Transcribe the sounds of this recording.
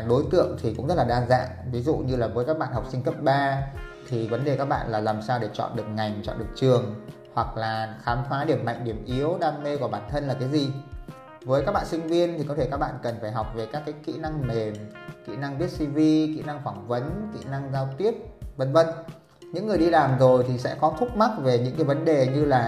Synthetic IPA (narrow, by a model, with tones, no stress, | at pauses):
ɗo˨˦jt̪ɨ̰˧˨əŋt̪ʰi˨˩kʊ̰˧˥ŋ͡mzə˦˥t̚laː˨˩ɗaː˧za̰ː˧˨nvi˨˦zṵ˧˨ɲɨ˧laː˨˩vəː˨˦jkaː˦˥k̚ɓa̰ː˧˨nha˨˩k͡p̚sï˧ŋ̟kə˦˥p̚ɓaː˧t̪ʰi˨˩və˨˦nɗe˨˩kaː˦˥k̚ɓa̰ː˧˨nlaː˨˩laː˨˩msaː˧wɗe˧˩t͡ɕɔ̰˧˨nɗɨ˨˩ək̚ŋa˨˩jŋ̟t͡ɕɔ̰˧˨nɗɨ˨˩ək̚t͡ɕɨ˨˩əŋ | hwa˨˩k̚laː˨˩xaː˨˦mfaː˨˦ɗi˧˩əmːa̰˧˨jŋ̟ɗi˧˩əmʔi˨˦əwɗaː˧me˧ku˧˩ɓaː˧˩nt̪ʰə˧nlaː˨˩kaː˨˦jzi˨˩ | vəː˨˦jkaː˦˥k̚ɓa̰ː˧˨nsï˧ŋ̟vi˧ənt̪ʰi˨˩kɔ˨˦t̪ʰe˧˩kaː˦˥k̚ɓa̰ː˧˨nkə˨˩nfaː˧˩jɦa˨˩wk͡p̚ve˨˩kaː˦˥kːaː˨˦jkḭ˧˨na˧ŋme˨˩mkḭ˧˥na˧ŋvi˦˥ət̚si˧vi˧kḭ˧˨na˧ŋfaː˧˩ŋvə˨˦nkḭ˧˨na˧ŋzaː˧wt̪i˦˥əp̚və˧˩nvə˧n | ɲɨ̰˧˥ŋːɨ˨˩əjɗi˧laː˨˩mzo˨˩jt̪ʰi˨˩sɛ̰˧˥kɔ˨˦t̪ʰʊ˦˥k͡p̚ma˦˥k̚ve˨˩ɲɨ̰˧˥ŋkaː˨˦jvə˨˦nɗe˨˩ɲɨ˧laː˨˩